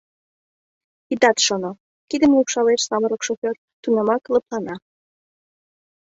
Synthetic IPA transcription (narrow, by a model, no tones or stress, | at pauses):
it̪ɑt̪ʃono | kid̪əmupʃɑlet͡ʃsɑməɾlə̆kʃofʲor | t̪unəmɑkləplɑnɑ